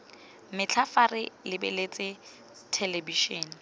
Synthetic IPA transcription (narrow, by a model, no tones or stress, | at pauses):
mɪt͡ɬʰafarɪlɪbḛlet͡sʼɪ | tʰelebiʃɔːn